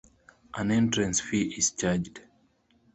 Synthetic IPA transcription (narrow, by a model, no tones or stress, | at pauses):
ʔãnɛ̃ntɹɛ̃nsfiʔiz̥t͡ʃad͡ʒd